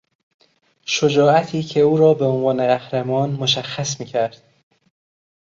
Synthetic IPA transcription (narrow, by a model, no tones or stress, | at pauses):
ʃod͡ʒɒːæt̪ʰiːcʰe̞uːɾɒːbeonvɒːneɣæhɾemɒːnmoʃæxːæsmiːcʰæɾd̪̥̚